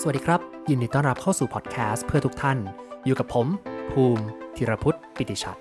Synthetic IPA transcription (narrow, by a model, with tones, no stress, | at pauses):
sa˩a˩dːiː˧ɾa˦˥p̚jiː˨˩ndiː˨˧˩t̪ɔː˥˩nɾa˦˥p̚kʰa˥˩wsuː˨˩pʰɔː˨˩t̪̚kʰɛː˦˥spʰɯ˥˩ɐt̪ʰu˦˥k̚t̪ʰa˥˩n | juː˨˩ka˨˩pʰːo˩˦mpʰuː˧mt̪ʰiː˨˩˦ɾa˧pʰu˦˥t̪̚pi˨˩t̪ːiː˧˩t͡ɕʰa̰˨˩t̪̚